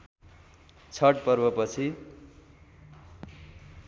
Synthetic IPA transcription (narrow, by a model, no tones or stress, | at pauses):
t͡sʰʌʈ̚pʌrbʌpʌt͡sʰi